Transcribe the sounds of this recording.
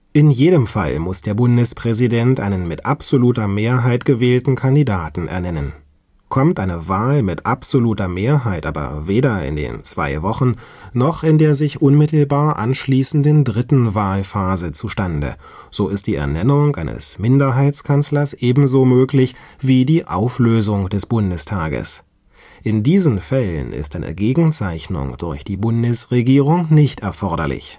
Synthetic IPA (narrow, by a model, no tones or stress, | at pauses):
ʔɪnjeːdəmfa̰lmʊsd̥eːɐbʊndəspʁ̥ɛzidɛntʔaɪnənmɪtʔapz̥oluːtɐmeːɐɦaɪtɡ̥əvɛːltn̩kʰandidaːtn̩ʔɛ̰ɐnɛnən | kʰɔmtʔaɪnəvaːlmɪtʔapz̥oluːtɐmeːɐɦaɪtʔa̰ːbɐ̰veːdɐɪ̰ndḛːnt͡sv̥a̰ɪvɔχn̩nɔχɪndeːɐzɪçʔʊnmɪtl̩baːɐʔa̰nʃliːsn̩dəndʁɪtn̩vaːlfaːzət͡suʃtandə̰ | z̥oːɪst̚d̥iːɛ̰ɐnɛnʊŋʔa̰ɪnə̰smɪndɐɦaɪt͡skʰanslɐsʔeːbm̩zoːmøːklɪçv̥iːdiːʔaʊfløːzʊŋd̥ɛsb̥ʊndəstʰaːɡə̰s | ʔɪndiːzn̩fɛlə̰nɪ̰stʔaɪnə̰ɡeːɡŋ̩t͡saɪçnʊ̰ŋd̥ʊɐçd̥iːbʊndəsʁeɡiːʁʊŋnɪçtɛɐfɔɐɾɐ̰lɪ̰ç